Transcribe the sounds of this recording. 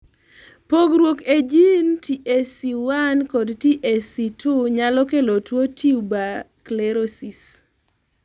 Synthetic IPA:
poɡɾwoked͡ʒintiʔesiwankɔdtiʔesitʰʊɲalɔkelotwotʰiuba | klɛɾosis

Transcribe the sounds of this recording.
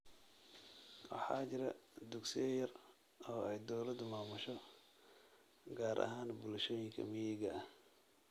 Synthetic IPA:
wɑ̰ħɑ̰ːt͡ʃɪɾɐd̪ʊɡsɪjɐjɐr | ɔːɛjd̪ɔwlɐd̪maːmʊʃɔ | ɡaːɾʔɐ̰ɦaːnbʊlʃɔːjɪŋkʰɐ̰mɪjɛɡɐʔɐh

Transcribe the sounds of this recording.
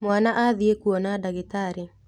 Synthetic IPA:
mwanaʔaðiekuonadaɡitaɾɪ

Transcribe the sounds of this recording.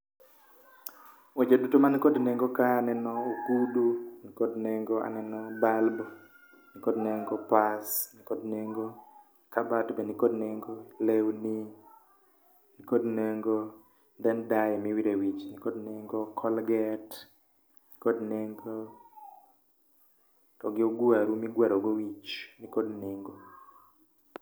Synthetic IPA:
wet͡ʃodutomankodneŋɡokaːnɛnɔokudunikodneŋɡoa̰nɛnɔbalbɔ | nikodneŋɡopasnikodneŋɡo | kabatbenikodneŋɡolewni | nikodneŋɡo | d̪ɛndajɛmiwiɾewit͡ʃnɪkodnɛŋɡɔkʰɔlɡɛt | nɪkodneŋɡo | tɔɡɪoɡwaɾumiɡwaɾoɡowit͡ʃnɪkodnɪŋɡo

